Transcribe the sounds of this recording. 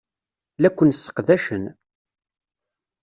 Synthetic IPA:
lækʷːənsːə̥qðæʃən

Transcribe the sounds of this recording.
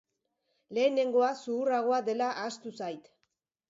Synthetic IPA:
le̞ːne̞ŋɡo̞asuːraɣ̞o̞aðe̞laʔast̪usajt̪

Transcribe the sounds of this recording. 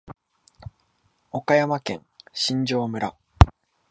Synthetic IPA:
okajamakẽ̞̰ŋɕĩɲd͡ʑo̞ːmɯ̟ɾa

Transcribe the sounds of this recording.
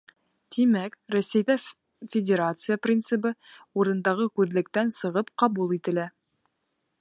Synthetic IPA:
t̪imækrosæjðæ | fʲɪdʲeɾat̪sɨjaprʲint̪sɨpɤuɾɤ̆nd̪ɑʁɤkʉðlɘ̆k̚t̪ænsɤ̆ʁɤpqɑbulˠit̪ɘ̆læ

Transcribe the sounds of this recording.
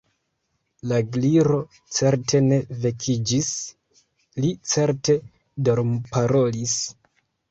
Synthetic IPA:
laɡliɾo̞ | t͡se̞ɾtʰe̞ne̞ve̞kʰid͡ʒis | lit͡se̞ɾte̞ | do̞ɾmpaɾo̞lis

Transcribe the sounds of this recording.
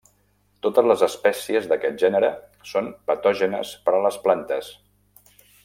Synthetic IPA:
t̪ot̪əzləzəspɛsiəzðəkɛt̪̚ʒɛnəɾəsonpət̪ɔʒənə̰spəɾələsplant̪əs

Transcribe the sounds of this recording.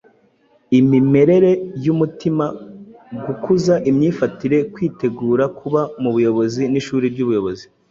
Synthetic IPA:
imime̞ɾe̞ɾe̞jumutimaɡukuzaʔimɲiːfatiɾe̞kwiːte̞ɡuːɾakʰuβamuβujo̞βo̞ziniʃuːɾibɟuβujo̞βo̞zi

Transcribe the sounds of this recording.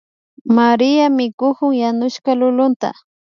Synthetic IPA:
maɾɪjamɪkʊkʊŋjanʊʃkalʊlʊnt̪a̰

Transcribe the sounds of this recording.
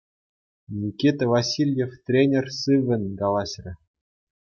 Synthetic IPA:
nʲikʲit̪ɘvasʲilʲjeft̪rʲenʲersɨvʲɘ̆nʲɡɑlˠɑɕrʲɘ̆

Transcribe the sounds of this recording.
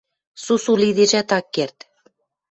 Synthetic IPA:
susulid̪eʒæt̪ɑkːert̪

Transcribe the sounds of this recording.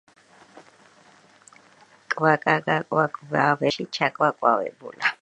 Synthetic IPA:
kʼwakʼakʼakʼwakʼubawɛɬit͡ʃʰakʼwakʼwawɛ̰bṵːla

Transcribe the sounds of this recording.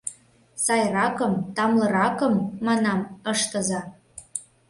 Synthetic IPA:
sɑjrɑkəmt̪ɑmlɤ̆ɾɑkəmːɑnɑməʃt̪ə̆zɑ

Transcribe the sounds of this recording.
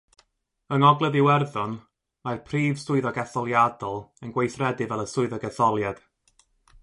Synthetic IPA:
əŋɔɡlˠɛðiwɛrðɔn | marpʰriːv̥sʊɨðɔɡɛθɔlˠjadɔlˠənɡwejθrɛdɨvɛlˠəsʊɨðɔɡɛθɔlˠjad̥

